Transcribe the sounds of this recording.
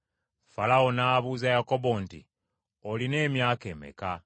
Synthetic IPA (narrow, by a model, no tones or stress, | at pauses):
falaonaːβuːzajako̞bo̞ntḭ | oline̞ːmjaːkemḛka